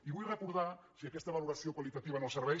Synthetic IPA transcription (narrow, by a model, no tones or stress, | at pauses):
iβujrekuɾð̞asiakest̪aβ̞aluɾasiokwalit̪at̪iβ̞anoseɾβe